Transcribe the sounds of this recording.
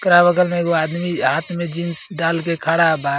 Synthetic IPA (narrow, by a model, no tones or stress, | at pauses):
kɾabəɡəlmeɡoaːd̪miɦaːt̪ʰmẽd͡ʒinsɖaːlkekʰaːɽaba